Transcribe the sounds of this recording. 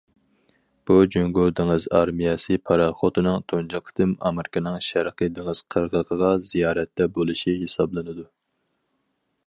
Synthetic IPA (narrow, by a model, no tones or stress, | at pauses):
b̥ud͡ʒøŋɡod̪ɪŋɨzɑ̰ɾmijɛsɨpʰɑɾɑχot̪ɨnɨŋt̪ʰond͡ʒɑqʰt̪ɨmɑ̰mɪɾɪkʲʰɪnɨŋʃæɾqəd̪ɪŋɨz̥qʰəɾʁəʁʰəʁɑzijɑːɾɛt̪ːɛbolˠɨʃiɦesɑblˠɨnɨd̪u